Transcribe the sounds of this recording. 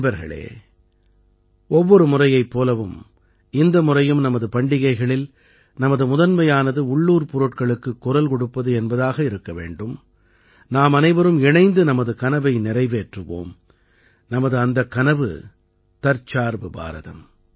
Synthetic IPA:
bɐɾɣɐ̰ɭḛː | ɔʋːɔɾɯmʊrɐjɐɪpːoːlɐʋɯm | ɪnd̪ɐmʊrɐjɯmnɐmɐðɯpɐɳɖɪɣɐɪɣɐɭɪl | nɐmɐðɯmʊðɐnmɐjaːnɐðɯʊɭːuːɾpʊɾʊʈkɐɭɯkːɯkːʊɾɐlkɔɽɯpːɐðɯɛnbɐðaːɣɐɪɾɯkːɐʋḛːɳɖɯm | naːmɐnɐɪʋɐɾɯmɪɳɐɪnd̪ɯnɐmɐðɯkɐnɐʋɐɪnɪrɐɪʋeːʈrɯʋo̰ːm | nɐmɐðɯɐnd̪ɐkːɐnɐʋɯ̰ | t̪ɐɾt͡ʃaːɾʋɯba̰ːɾɐ̰ðɐ̰m

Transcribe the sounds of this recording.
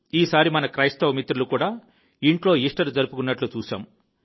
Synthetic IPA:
iːsaːɾimɐnɐkɾɐjst̪ɐʋmit̪ɾulukuːɽaː | iɳʈlo̞ːiʂʈɐɾud͡ʒɐɾupukunːɐʈlut͡ʃuːʃa̰ːm

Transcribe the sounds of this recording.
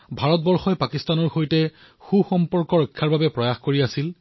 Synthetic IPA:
bʱaɹɔt̚bɔɹxɔjpakistanɔɹxojtɛ | xuxɔmpɔɹkɔɹɔjkʰːaɹbabɛpɹɔjaxkoɹiasil

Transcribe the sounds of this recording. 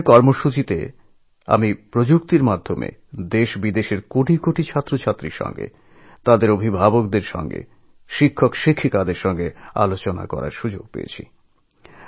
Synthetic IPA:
ɾkɔɾmoʃut͡ɕit̪e | a̰mipɾod͡ʑukt̪iɾmad̪ʱːomḛd̪eʃbid̪eʃeɾkoʈʰikoʈit͡ɕʰat̪ːɾot͡ɕʰat̪ːɾiɾʃɔ̰ŋɡḛ | t̪ad̪eɾobʱibʱabokd̪eɾʃɔ̰ŋɡḛ | ʃikʰːokʃikʰːikad̪eɾʃɔŋɡea̰lot͡ɕona̰kɔ̰ɾa̰ɾʃud͡ʑoɡ̚pḛḛt͡ɕʰḭ

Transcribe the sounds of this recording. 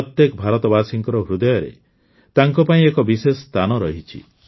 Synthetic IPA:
ɔt̪jekɔbʱaɾɔt̪ɔbasiŋkɔɾɔɦɾud̪ɔjɔɾḛ | t̪aŋkɔpaĩekɔbisesɔst̪ʰanɔɾɔɦit͡ʃʰḭ

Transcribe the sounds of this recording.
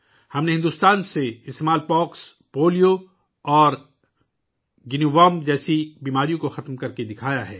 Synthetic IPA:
hɐmneɦɪ̃nd̪uːst̪aːnseɪst̪eːmaːlpɔːks | poːlijo | ɔːɾ | ɡɪniʋaːmd͡ʒɛːsibiːmaːɾijõkoxɐt̪mkɐɾked̪ɪkʰaːjaɦɛː

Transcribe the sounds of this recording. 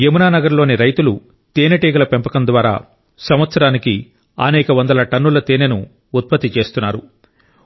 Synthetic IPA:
emunaːnɐɡɐɾlo̞ːniɾɐjt̪ulu | t̪eːneʈeːɡɐlɐpempɐkɐnd̪ʋaːɾa̰ː | sɐmʋɐt̪sɐɾaːniki | ɐ̰nɛːkɐʋɐnd̪ɐlɐʈɐnːulɐt̪eːnenuː | t̪̚pɐt̪ːit͡ʃe̞ːst̪unːaːɾṵ

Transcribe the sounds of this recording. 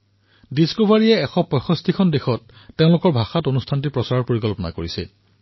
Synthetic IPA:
diskobʱaɹijɛɛxɔpɔjxɔstʰikʰɔndexɔtː | eʊ̃lʊkɔɹbʱaxatonustʰant̬ipɹɔsaɹɔɹpoɹikɔlpɔna̰koɹisɛ̰

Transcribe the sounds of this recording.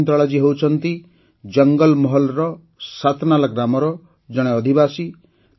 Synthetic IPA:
nt̪ɾɔɭɔd͡ʒiɦewt͡ʃʰɔnt̪i | d͡ʒʌŋɡɔlmɔɦɔlɾɔ | sat̪nalaɡɾamɔɾɔ | d͡ʒɔɽ̃eɔd̪ʱibasi

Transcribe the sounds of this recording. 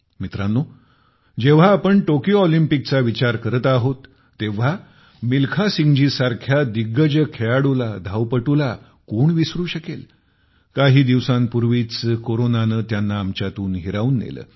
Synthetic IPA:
mit̪ɾanːo | d͡ʑeʋ̤aːpəɳʈokjoɔlimpik̚t͡saʋit͡ɕaɾkəɾət̪aɦot̪ː | eʋ̤a | milkʰasiŋɡd͡ʑiːsaɾkʰjad̪iɡːəd͡ʑəkʰeaɽulad̪ʱaʋpəʈula | koɳʋisɾuːɕəkel | kaɦiːd̪iʋsãnpuɾʋiːt͡skoɾonanəːt̪janːaːmt͡ɕat̪uːnɦiɾauːnːḛlə̰ː

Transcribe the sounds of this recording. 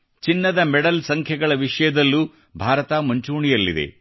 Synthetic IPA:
t͡ʃinːɐd̪ɐmɛɽɐlsɐŋkʰjɐɡɐɭɐʋiʂɐjɐd̪ɐlːuː | bʱaːɾɐt̪aːmuɲt͡ʃuːɳijɐlːḭd̪ḛ

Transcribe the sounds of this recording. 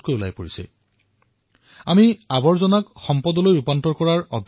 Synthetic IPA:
tkojula̰jpoɹisɛ̰ | amiabɔɹzɔnakxɔmpɔdɔlojupantɔɹkɔɹaɹɔb

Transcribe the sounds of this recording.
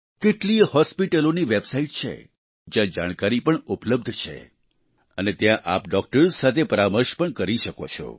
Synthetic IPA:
keʈlihɔspiʈəloniʋebsaiʈ̚t͡ʃʰḛ | d͡ʒjãd͡ʒaɽ̃kaɾipəɳʊpləb̚d̪ʱt͡ʃʰḛ | ənet̪jãʔapɖɔk̚ʈəɾsat̪ʰepəɾaməɾʃpəɳkəɾiʃəkot͡ʃʰɔ̰

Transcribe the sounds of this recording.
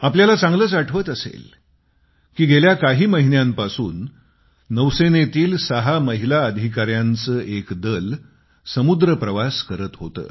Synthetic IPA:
apljalat͡sãŋɡləːt͡saʈʰʋəːt̪əsḛl | kiːɡʱeljakaɦiːməɦinjãmpasuːnː | əʋsenet̪iːlsəɦaməɦilaəd̪ʱikaɾjant͡səːʔekd̪əl | səmud̪ɾəpɾəʋaskəɾət̪ɦot̪ə̰ː

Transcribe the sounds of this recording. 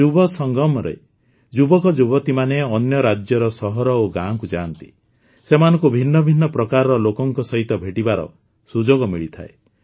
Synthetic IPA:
d͡ʒubɔsɔŋɡɔmɾḛ | d͡ʒubɔkɔd͡ʒubɔt̪imaneɔnjɔɾad͡ʒjɔɾɔsɔɦɔɾɔoɡãkud͡ʒaːnt̪i̥̰ | semanɔ̃ŋkubʱinːɔbʱinːɔpɾɔkaɾɔɾɔlokɔŋkɔsɔɦit̪ɔbʱeʈibaɾɔ̰ | sud͡ʒoɡɔmiɭit̪ʰa̰e

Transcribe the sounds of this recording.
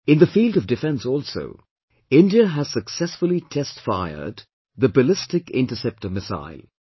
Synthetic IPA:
ɪ̃nðəfiːlˠdʌvdɨfɛ̃nsɔːlˠso̰ʊ | ɪ̃ndiəɦæz̥səksɛsfəlˠitʰɛstfaɪə̰d | ðəbəlɪstɪkɪ̰̃ntəsɛp̚təmɪsa̰ɪlˠ

